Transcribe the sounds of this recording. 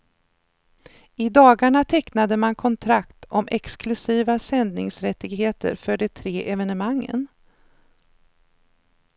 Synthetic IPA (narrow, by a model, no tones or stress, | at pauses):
ɪd̪ɑːɡaɳat̪ʰɛknad̪əmankʰɔnt̪ʰɾakt̪ʰɔmʔɛksklɵsiːvasɛnd̪nɪŋsɾɛt̪ːɪɡɦeːt̪ə̰ɾfœɖɛt̪ʰɾeːʔɛvɛnəmaŋːə̰n